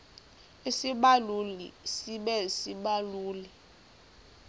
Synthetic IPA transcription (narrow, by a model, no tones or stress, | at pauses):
isiɓalulḭsiɓɛsiɓaluːli